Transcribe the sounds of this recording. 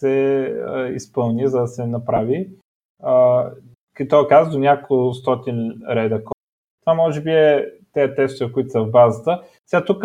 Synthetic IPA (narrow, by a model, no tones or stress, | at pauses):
sɛ̰ | ḭspɤlˠnizɐd̪ɐsɛnɐpɾavi | ə | kit̪ɔkazd̪onʲakost̪ɔt̪inɾɛd̪ək | t̪vamːɔʒɛbiɛt̪ɛɐt̪ɛst̪ovəkʊit̪səvbazət̪ə | sɛat̪uk